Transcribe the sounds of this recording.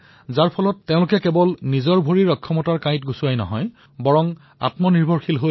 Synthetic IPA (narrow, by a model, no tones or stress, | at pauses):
zaɹpʰɔlɔtːeʊ̃lʊkɛkɛbɔlnizɔɹbʱoɹiɹɔkʰːɔmɔtaɹkãj̃tɡusuajnɔ̰ɦɔj | bɔɹɔm | a̰tmɔniɹbʱɔɹxilɦo